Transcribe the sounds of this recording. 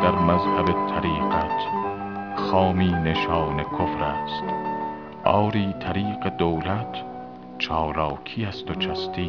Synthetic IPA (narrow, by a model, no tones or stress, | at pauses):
d̪̥æɾmæzhæbet̪ʰːæɾiːɢæt̪ʰ | xɒːmiːne̞ʃɒːne̞kʰofɾæːst̪ | ʔɒ̰ːɾiːt̪ʰæɾiːɢe̞d̪owlæt̪ʰ | t͡ʃʰɒːlɒːkʰiːæst̪ot͡ʃʰæst̪iː